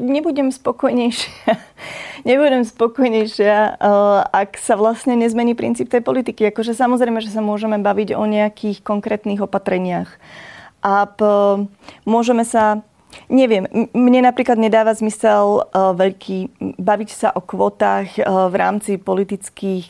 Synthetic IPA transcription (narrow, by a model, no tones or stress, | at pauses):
ɲɛbuɟɛmspɔkɔjɲɛjʃɪaɲɛbuɟɛmspɔkɔjɲɛjʃɪa | aksaʋlasɲɛɲɛzmɛɲiːpɾḭnt͡siːp̚t̪ɛjpɔlit̪ikiakɔʒɛsamɔzɾɛɪmɛʒɛs̬amʊɔʒɛmɛbaʋiɟɔ̰ɲɛakʰiːxkɔŋkɾɛːt̪niːɣɔpat̪ɾɛɲɪax | ʔap | mʊɔʒɛmɛsa | ɲɛʋɪɛmmɲɛnapɾiːklad̪ɲɛd̪aːʋazmisɛlʋɛʎkʰiːbaʋicsaʔɔkʋɔːt̪aːxʋɾa̰ːmt͡sipɔlit̪it͡skiːx